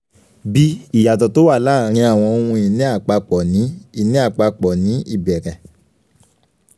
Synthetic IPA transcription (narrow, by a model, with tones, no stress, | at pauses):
bi˧i˨ja˨tɔ˨to˨˦wa˦˨laː˦˨˦ɾ̃ĩ˧a˦˨w̃ɔ̃˧o˧ũ˧i˧˨nĩ˦a˦˨k͡pa˧k͡pɔ˨nĩ˨˦i˦˧˨nĩ˨˦a˦˨k͡pa˧k͡pɔ˨nĩ˨˦i˦˨bɛ˨ɾɛ˨